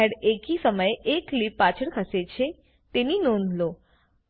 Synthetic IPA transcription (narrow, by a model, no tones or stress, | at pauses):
eɽekisəməjekːlipːat͡ɕʰəɽkʰəset͡ɕʰe | t̪eninond̪ʱlo